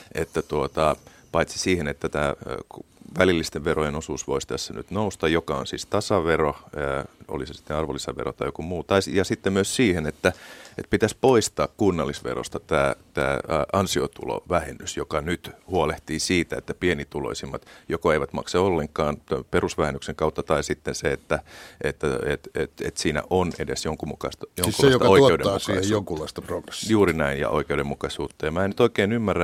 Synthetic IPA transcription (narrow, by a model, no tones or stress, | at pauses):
ʔḛt̪ːæt̪uot̪ɑ | pɑit̪si̥siːhenet̪ːæt̪æː | ʋælilːist̪eʋʋerojenosuːsʋoist̪æsːæny̰t̪noust̪ɑjjokɑo̰nsḭːst̪ɑsɑʋero | o̰lisesi̥t̪ːenɑrʋolːisɑʋḛro̰t̪ɑijokumuːt̪ɑisjɑsit̪ːemyøssiːhenet̪ːæet̪pit̪æspoist̪ɑːkkunːɑlːisʋḛro̰st̪ɑt̪æːt̪æ̰ːʔɑnsiot̪ṵlo̰ʋæhenːysjokɑnyt̪huoleht̪iːsiːt̪æḛt̪ːæpienit̪ulo̰isimːɑt̪jokoeiʋæt̪mɑ̰kseolːeŋkˑɑːnt̪perusʋæhenːykseŋkɑut̪ːɑt̪ɑisit̪ːenseet̪ːæet̪ːæet̪et̪ḛt̪siːnæ̰ʔonedḛsjoŋkumukɑist̪ɑjoŋkulːjsot̪ɑoieudḛmːmusɑːisjoŋkullɑist̪ɑproɡ̥re̥sjuːrinæinjɑ̰ʔo̰ikeudemːukɑisuːt̪ːɑjɑmæːnyt̪oikeːnymːærːæ